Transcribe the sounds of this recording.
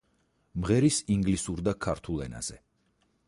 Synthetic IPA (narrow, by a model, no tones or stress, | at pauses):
mʁɛɾisiŋɡlisuɾd̪akʰaɾt̪ʰulˠɛna̰z̥ɛ